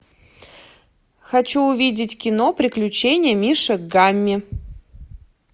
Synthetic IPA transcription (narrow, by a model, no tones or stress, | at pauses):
xɐt͡ɕuʊvʲidʲɪtʲkʲɪnopɾʲɪklʲʉt͡ɕenʲɪjəmʲiʂɨɡamʲːɪ